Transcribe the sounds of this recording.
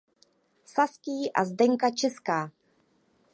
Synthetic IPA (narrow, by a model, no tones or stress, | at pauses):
saskiːʔa̰zdɛŋkat͡ʃɛskaː